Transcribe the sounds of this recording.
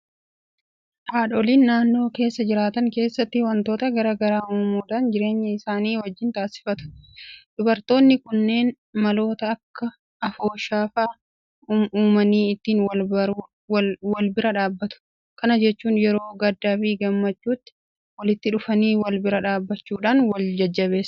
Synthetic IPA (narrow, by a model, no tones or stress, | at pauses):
ʔaːᶑoliːnːaːnːo̞ːke̞ːsːɐd͡ʒɪɾaːt̪ɐŋke̞ːsːɐt̪ːɪwɐnt̪o̞ːt̪ɐɡɐɾaːɡɐɾaːuːmuːd̪ɐnd͡ʒɪɾe̞ːɲːɐɪsaːniːwɐd͡ʒːɪnt̪aːsɪ̥fɐt̪ʊ̥d̪̥ʊbɐɾt̪o̞ːnːɪkʊnːe̞ːn | mɐlo̞ːt̪ɐːkːɐ | ɐfoːʃaːfaː | uːmɐniːɪt̪ːiːnwɐlbɐɾ | wɐlbɪɾɐᶑaːbːɐt̪ʊ̥ | kɐnɐd͡ʒɛt͡ʃːuːnjɛɾo̞ːɡɐd̪ːaːbiːɡɐmːɐt͡ʃːuːt̪ːɪ̥ | wɐlɪt̪ːɪᶑʊfɐniːwɐlbɪɾɐᶑaːbːɐt͡ʃːuːᶑaːnwɐld͡ʒɐd͡ʒːɐβe̞ːs